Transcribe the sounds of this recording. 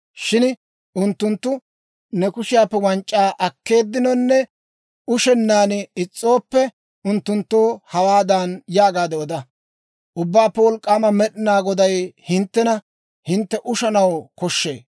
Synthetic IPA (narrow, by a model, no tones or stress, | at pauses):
ʃɪn | ʊnt̪ːʊnt̪ːʊ | nɛkʊʃɪjaːpːɛwɐnt͡ʃʼːaːʔɐkːe̞ːd̪ːɪnɔnːɛ | ʊʃɛnːaːnɪɪt͡sʼːo̞ːpːɛ | ʊnt̪ːʊnt̪ːoːhɐwaːd̪aːnjaːɡaːd̪ɛɔd̪ɐ | ʔʊbːaːpːɛwɔlkʼːaːmɐmɛɗɪnaːɡɔd̪ɐjhɪnt̪ːɛnɐ | hɪnt̪ːɛʔʊʃɐnɐwkɔʃːḛː